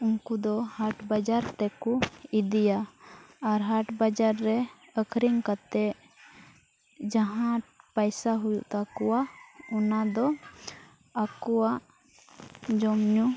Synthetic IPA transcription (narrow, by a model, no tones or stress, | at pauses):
uŋkud̪ɔhaʈbad͡ʒaɾt̪ɛkuid̪ijaː | ɾɦaʈbad͡ʒaɾːɛ | əkʰɾiŋkat̪ɛʔ | d͡ʒaɦãpajsaɦujṵʔt̪akɔwaɔnad̪ɔ | akɔwaʔ | d͡ʒɔmɲu